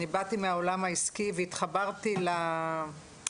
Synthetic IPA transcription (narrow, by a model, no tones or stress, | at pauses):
ibatimeaolamaiskiveit̪χabaʁtila